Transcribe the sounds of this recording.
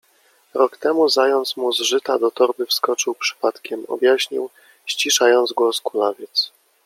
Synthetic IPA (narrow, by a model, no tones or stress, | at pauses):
ɾɔkt̪ɛmuzajɔnt̪smuzʐɘt̪a̰d̪ɔt̪ɔɾbɘfskɔt͡ʂɘwpʂɘ̥pat̪kʲɛmɔ̰bjaɕɲḭw | ɕt͡ɕiʂajɔnd̪zɡwɔskulavʲjɛt̪s